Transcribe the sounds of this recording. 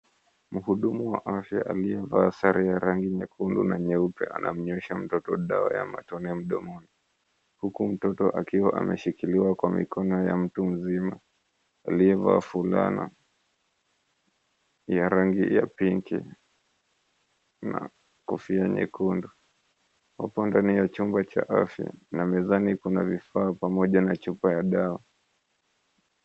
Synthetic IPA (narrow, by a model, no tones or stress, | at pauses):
m̩huɗumuwaʔafja̰ʔaliɛvaːsaɾijaɾaŋɡiɲɛkʰundṵnaɲɛupɛʔa̰nʔam̩ɲɛʃam̩tɔtɔɗawa̰ja̰ma̰tɔnɛm̩ɗɔmɔni | hukum̩tɔtɔʔakiwaʔa̰mɛʃikiliwakwamḭkʰɔnɔjam̩tum̩zima | aliɛva̰ːfula̰na̰ | jaɾaŋɡḭja̰piŋkḭ | na̰ | kufiaɲɛ̰kundɔ | wapɔndanijat͡ʃumbat͡ʃa̰ʔafja̰namɛzanikunavifaːpamɔʄanat͡ʃupajaɗawa